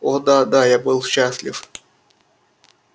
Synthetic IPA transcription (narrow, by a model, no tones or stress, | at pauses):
od̪ad̪ajabɨlˠɕːasʲlʲɪ̰f